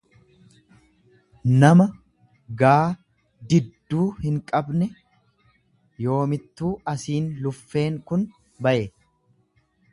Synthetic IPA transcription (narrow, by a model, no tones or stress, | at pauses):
nɐmɐ | ɡaː | d̪ɪd̪ːuːhɪŋkʼɐbnɛ | jo̞ːmɪt̪ːuːɐsiːnlʊfːe̞ːŋkʊn | bɐʔe